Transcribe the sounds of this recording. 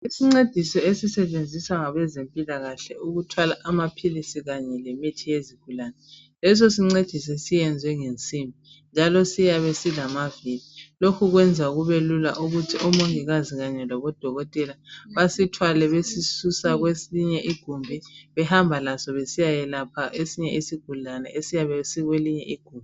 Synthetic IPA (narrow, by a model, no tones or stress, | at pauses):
isiŋ͡ǀed̥ʱisɔesisɛt͡ʃend͡zʱiswaŋaβɛzempʼilaɣaɬɛuɣutʰwalaʔamapʰilisiɣaɲɛlemitʰijeziɡ̥ʱulanɛ | lɛsɔsiŋ͡ǀed̥ʱis̬ɛsijɛnd͡zʱwɛŋent͡sʼimbʱi | nd͡ʒʱalɔsijaβesilamavililokʰuɣwɛnd͡zʱaɣuβelula̰ʔuɣutʰiʔɔmoŋiɣaziɣaɲɛlɔβɔd̥ʱɔɣɔtʼɛlaβasitʰwalɛβesisusaɣwesiɲɛʔiɡ̥ʱumbʱiβɛhambʱalasɔβesijajɛlapʰaʔesiɲɛisiɡ̥ʱulanɛ̰ʔesijaβɛsiɣweliɲɛʔiɡ̥ʱuːmbʱi